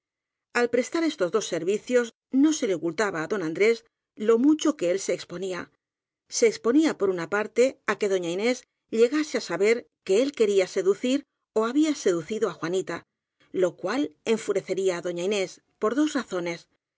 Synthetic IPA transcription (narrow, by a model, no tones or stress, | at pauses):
alpɾe̞st̪aɾe̞st̪o̞zðo̞sːe̞ɾβiθjo̞z | no̞se̞leokult̪aβaːðo̞nãnd̪ɾe̞s | lo̞mut͡ʃo̞ke̞else̞ːkspo̞nia | se̞ːkspo̞niapo̞ɾunapaɾt̪e̞ake̞ðo̞ɲaine̞z | ʎe̞ɣase̞asaβe̞ɾ | ke̞elke̞ɾiase̞ðuθiɾ | oaβiase̞ðuθiðoaxwanit̪a | lo̞kwale̞ɱfuɾe̞θe̞ɾiaːðo̞ɲaine̞s | po̞ɾðo̞sraθo̞ne̞s